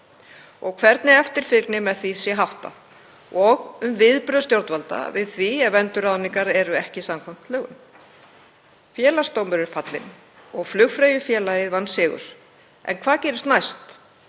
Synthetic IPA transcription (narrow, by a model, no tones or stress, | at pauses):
ɔɣkʰvɛɾt̪nɪɛft̪ɪɾ̥fɪknɪmɛðθvisjɛɦawht̪a̰ð | ɔɣʏmvɪðpɾœðst̪jowɾt̪valt̪a̰vɪðθviɛvɛnt̪ʏɾawniŋkaɾɛɾʏɛhcɪsamkʰɔm̥t̪lœːɣʏm | fjɛːlast̪owmɪɾɪɾ̥fat̪lɪ̰n | ɔɣflʏɣfɾejʏfjɛːlaɪðvanːsɪːɣʏ̰ɾ̥ | ɛ̰nkʰvaːðcɛːɾɪst̪najst̪